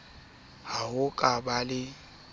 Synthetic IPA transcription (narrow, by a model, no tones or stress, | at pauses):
haɦʊkʼabalɪ